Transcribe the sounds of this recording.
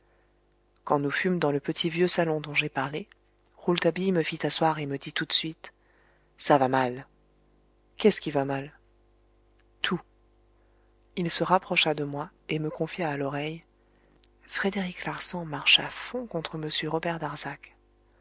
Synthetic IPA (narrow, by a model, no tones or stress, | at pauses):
kɑ̃nufymd̪ɑ̃ləpət̪ʰivjøsalɔ̃d̪ɔ̃ʒepaʁle | ʁult̪abijməfit̪aswaʁeməd̪it̪ut̪sɥit̪ | savamal | kʲɛskʲivamal | t̪ʰu | ilsəʁapχɔʃad̪əmwaeməkɔ̃fjaːlɔʁɛj | fχed̪eʁiklaʁsɑ̃maʁʃafɔ̃kɔ̃t̪χəməsjøʁɔbɛʁd̪aʁzak